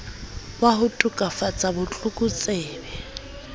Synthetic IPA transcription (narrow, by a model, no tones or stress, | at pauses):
bwaɦʊtʼʊkʼafat͡sʼabʊt͡ɬʼʊkʼʊt͡sʼeːbɛ